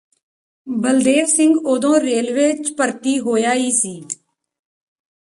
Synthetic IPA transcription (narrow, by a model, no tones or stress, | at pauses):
bəld̪eːʋsɪ̃ŋɡoːd̪õːɾeːlʋeːt͡ʃpəɾt̪iːɦoːjaːiːsiː